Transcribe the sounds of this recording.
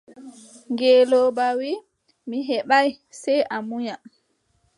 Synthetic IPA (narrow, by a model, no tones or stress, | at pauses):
ŋɡeːlɔbawi | miɦɛɓaj | sɛjʔamuɲa